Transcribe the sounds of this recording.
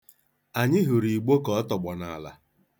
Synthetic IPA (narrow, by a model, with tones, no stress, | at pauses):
a˨ɲɪ˦ɦʊ˨ɾi˨ɡ͡bo˦kɔ˨ɔ˦tɔ˨ɡ͡bɔ˨na̰˨la̰˨